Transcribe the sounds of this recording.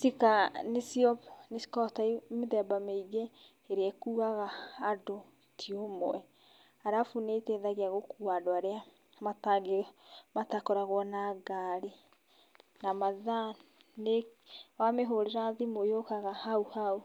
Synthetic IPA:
sikanesiɔnesi̥kɔtaimeðɛbameiɡe | eɾeɛkuːaɣaːdo | tʰiomoɛ | aɾafuneteðaɣeaɣokuadoaɾea | mataɡematakɔɾaɣwɔnaɡaɾe | namaða | ne | wameɦoɾeɾaðimojokaɣahauhau

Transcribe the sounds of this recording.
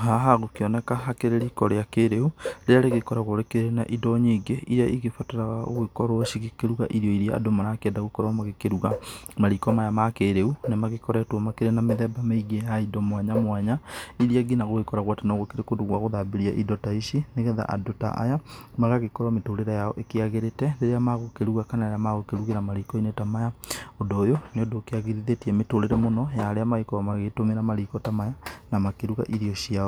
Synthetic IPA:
haɦaɣokeɔnɛkaɦakeɾeɾikɔɾeakeɾeuɾealeɣekɔɾaɣoɾekeɾena̰ʔidɔɲeɡeiɾaʔiɣefɔtɛɾaɣao̰ɣwekɔɾwɔʃiɣekeɾuɣa̰ʔiɾjɔiɾiaa̰domanakeɛːndaɣokɔɾɔmaɣekeɾuɣamaɾikɔmajamakeɾeunemaɣekɔɾɛtwɔmakeɾenameðɛbameiɡejaidɔmwaɲamwaɲaiɾiaɡinaɣoɣekɔɾaɣwatenoɣokeɾekoduɣwaɣoðabeɾiaʔidɔtaiʃineɣɛða̰ʔa̰dota̰ʔa̰jamaɣaɣekɔɾametoɾeɾɛjaɔʔekeaɣeɾetɛdeɾeamaɣokeɾuɣakanaeɾeamaɣokeɾuɣeɾamaɾikɔinetamajaodoːjoneodoːkeaɣeðiðetiɛmetoɾeɾɛmonɔjaɾeamaikɔamaɣetomeɾamaɾikɔtamajanamakeɾuɣa̰ʔiɾiɔɕiaɔ

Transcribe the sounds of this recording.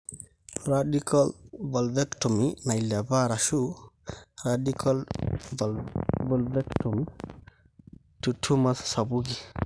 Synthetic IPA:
ɾadikʰɔlbɔlbɛktɔminajlabaɾaʃu | ɾadikʰɔl | bɔlbɛktɔmi | tutʰːumassabuɡi

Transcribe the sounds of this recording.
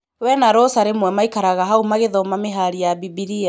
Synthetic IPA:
wɛnaɾɔsaɾemwɛmaikaɾaɣaɦaumaɣeðɔmameɦaɾijabibiɾia

